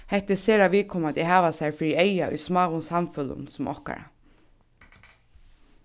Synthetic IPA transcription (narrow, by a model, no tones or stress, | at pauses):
hɛht̪ɪseːɾaʋiːkʰɔmad̪ɛɦɑːʋasɛɹfɾiejaʔʏ̰jsmɑːɣʊnsamfʏlʊ̰nsʊmʔɔ̰hka̰ɾa̰